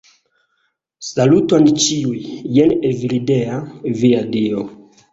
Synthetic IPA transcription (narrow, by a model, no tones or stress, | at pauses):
salutont͡ʃiujːenevilideaviadio